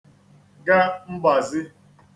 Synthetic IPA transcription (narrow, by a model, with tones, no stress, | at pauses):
ɡa˦m̩˦ba˨zɪ˦